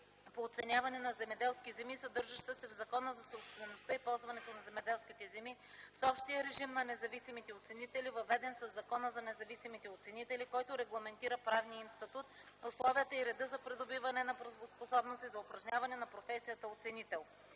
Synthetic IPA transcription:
poːt̪sɛnʲjavɐnɛnɐzɛmɛd̪ɛlˠskʲizɛmisɐd̪ɤɾʒɐʃt̪əsɛvzɐkɔnəzɐsopst̪vɛnost̪əipɔlˠzvɐnɛt̪onɐzɛmɛd̪ɛlˠskit̪ɛzɛmisɔpʃt̪ijəɾɛʒimnɐnɛzɐvisimit̪ɛot̪sɛnit̪ɛlivɐvɛd̪ɛnsɐzːɐkɔnəzɐnɛzɐvisimit̪ɛot̪sɛnit̪ɛlikɔjt̪ʊɾɛɡlˠɐmɛnt̪iɾəpɾavnijəimst̪ɐt̪ut̪oslˠɔviət̪əiɾɛd̪ɤzɐpɾɛd̪obivɐnɛnɐpɾovosposɔbnost̪izɐʊpɾɐʒnʲavɐnɛnɐpɾofɛsijət̪əot̪sɛnit̪ɛlˠ

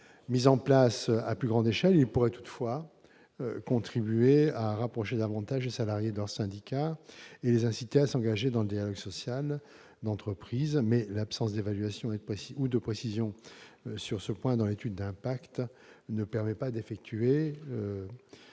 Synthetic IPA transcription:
mizɑ̃plasa̰plyɡʁɑ̃d̪eʃɛlilpuʁɛt̪u̥t̪fwa | kɔ̃t̪χibyeaʁapχɔʃed̪avɑ̃t̪aʒlesalaʁjed̪əlœʁsɛ̃d̪ikʲaelezɛ̃sit̪easɑ̃ɡaʒed̪ɑ̃ləd̪jalɔɡsɔsjal | d̪ɑ̃t̪χəpχizmɛlapsɑ̃sd̪evalɥasjɔ̃ed̪əpχesiud̪əpχesizjɔ̃syʁsəpwɛ̃d̪ɑ̃let̪yd̪ːɛ̃pakt̪nəpɛʁmɛpad̪efɛk̚t̪yeø

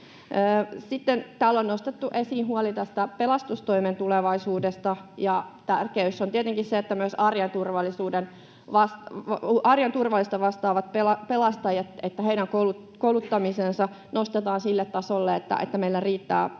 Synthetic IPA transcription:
əːsit̪ːent̪æːlːonnost̪et̪ːuʔesiːnhuolit̪æst̪æpelɑst̪ust̪oiment̪uleʋɑisuːdest̪ɑjɑt̪ærkeysːont̪iet̪eŋkisseet̪ːæmyøsɑrjɑnt̪urʋɑlːisuːden | ʋɑstuʔɑrjɑnt̪urʋɑlːˑist̪ɑʋɑst̪ɑːʋɑt̪̚pelɑpelɑst̪ɑjɑt̪et̪ːæheidæŋkolu | koulut̪ːɑmisensɑ | nost̪et̪ɑːnsilːet̪tɑsolːeet̪ːæ̰ʔḛt̪ːæmeilːæriːt̪ːæ̰ː

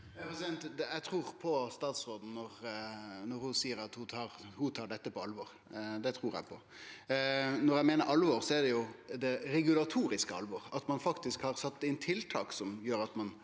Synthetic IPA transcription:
ɛpɾɛsɪd̪ɛnt̪d̪æt̪ʰɾuːʁpʰɔst̪ɑːt̪sɾoːd̪n̩ːɔɾnɔɾhʊsiːəɾɑt̪hʊt̪ʰɑːɾhʊt̪ʰɑːɖɛt̪ːəpʰɔɑlʋɔʁ | d̪ɛt̪ʰɾuːɾæ̰ɪpʰɔ | nɔɾæɪmeːnəɾʔɑlʋɔɾsɔɛɖɛjʊd̪ɛɾɛɡʉlɑt̪ʰuːɾɪskəɑ̰lʋɔɾɑt̪mɑnfɑkt̪ɪskhɑɾsɑt̪ːɪnt̪ʰɪlt̪ʰɑːksɔmjøːɾɑt̪mɑn

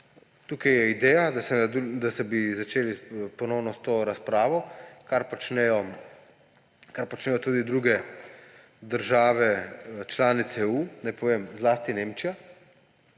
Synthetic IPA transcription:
t̪uːkajɛid̪ɛːjad̪asɛad̪d̪asɛbizat͡ʃeːlipɔnɔwnɔst̪oːɾaspɾaːʋɔkaɾpɔt͡ʃnɛjɔ | kaɾpɔt͡ʃnɛːjɔt̪uːd̪id̪ɾuɡɛ | d̪əɾʒaːʋɛt͡ʃlaːnit̪sɛunajpɔʋeːmzlaːst̪ineːmt͡ʃija

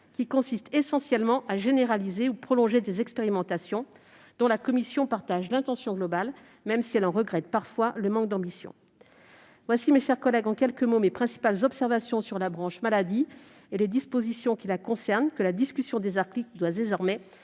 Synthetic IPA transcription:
kʲikɔ̃sist̪esɑ̃sjɛlmɑ̃ʔaʒeneʁalizeupχɔlɔ̃ʒed̪ezɛkspeʁimɑ̃t̪asjɔ̃ | d̪̥ɔ̃lakɔmisjɔ̃paʁt̪aʒlɛ̃t̪ɑ̃sjɔ̃ɡlɔbal | mɛmsiɛlɑ̃ʁəɡʁɛt̪̚paʁfwaləmɑ̃k̚d̪ɑ̃bisjɔ̰̃ | vwasimeʃɛʁkɔlɛɡɑ̃kʲɛlkəmomepχɛ̃si̥palzɔpsɛʁvasjɔ̃syʁlabʁɑ̃ʃmalad̪i | eled̪ispozisjɔ̃kʲilakɔ̃sɛʁnkəlad̪iskʲysjɔ̃d̪ezaʁklik̚d̪wad̪ezɔʁmɛ

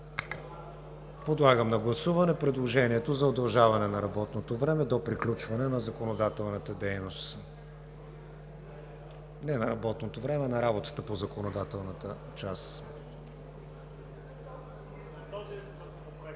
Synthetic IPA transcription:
pod̪lˠaɡəmnɐɡlˠɐsuvɐnɛpɾɛd̪lˠoʒɛniɛt̪ozɐod̪ɐlˠʒavɐnɛnɐɾɐbɔt̪not̪ovɾɛmɛd̪opɾiklʲut͡ʃvɐnɛnɐzɐkonod̪at̪ɛlˠnət̪əd̪ɛjnost̪ | nɛnɐɾɐbɔt̪not̪ovɾɛmɛnɐɾabot̪ə̥t̪əpozɐkonod̪at̪ɛlˠnət̪ə | t͡ʃas

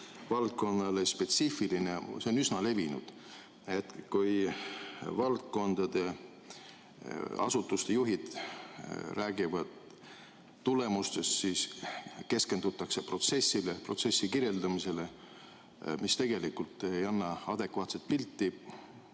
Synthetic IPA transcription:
vɑlt̪̚ko̞nːɑlespe̞t̪sifilineseo̞nysnɑle̞vinṵd̪̥ | et̪kuj | vɑlt̪̚ko̞nd̪̥ɑd̪̥e̞ | ɑ̰sut̪ːˑust̪e̞juɦid̪̥ | ræːɡ̥ivɑd̪̥ | t̪ule̞must̪e̞st̪siːske̞ske̞nd̪̥ut̪ːˑɑkse̞pro̞t̪se̞sːilepro̞̰t̪se̞sːikirje̞ld̪ɑmise̞le̞ | mist̪e̞ɡ̥e̞likːult̪ːˑeejɑnːɑɑd̪̥e̞kvɑːt̪se̞t̪̚pilt̪ːi

